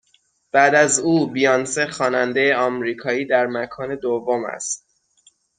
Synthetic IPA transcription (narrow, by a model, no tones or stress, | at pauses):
b̥æːd̪æzuːbijɑnsexɒːnænd̪e̞jeɒːmɾiːkʰɒːiːd̪æɾmækʰɒːne̞d̪ovːomæ̰st̪̚